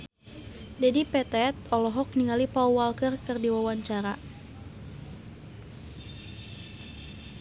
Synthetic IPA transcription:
d͡ʒadipɛt̪ɛt̪̚ɔlɔɦɔk̚niŋalipauwalkərkɨrdiwawaɲt͡ʃaɾa

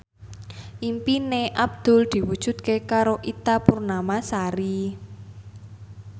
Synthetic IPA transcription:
ʔimpineʔab̚d̪̥ʊ̤ld̪̥i̤wud̥ʒ̥ṳt̪̚kekaɾoʔit̪apurnamasaɾi

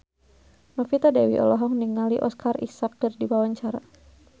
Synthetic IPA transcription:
mafit̪adɛwḭʔɔ̰lɔɦɔŋniŋaliʔɔ̰skarḭsak̚ərdiwawaɲt͡ʃaɾa̰

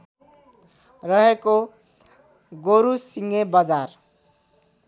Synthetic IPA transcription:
rʌɦeko | ɡoɾusiŋebʌd͡zar

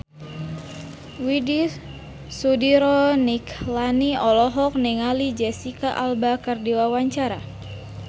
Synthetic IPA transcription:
widi | sudiɾɔniklaniɔlɔɦɔk̚nɛŋalid͡ʒɛsikaʔalbakərdiwawaɲt͡ʃaɾa̰

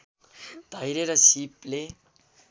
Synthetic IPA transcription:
d̪̥ʱajɾeɾʌsiple

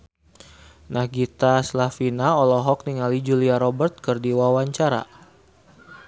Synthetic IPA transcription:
nahɡit̪aslafinaɔlɔɦɔk̚niŋalid͡ʒuliaɾɔbərt̪̚kɨrdiwawaɲt͡ʃaɾa̰

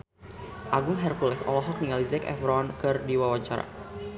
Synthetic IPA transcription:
ʔaɡʊŋɦɛrkulɛsɔ̰lɔɦɔk̚niŋalizɛkɛ̰fɾɔnkɨrdiwawaɲt͡ʃaɾa̰

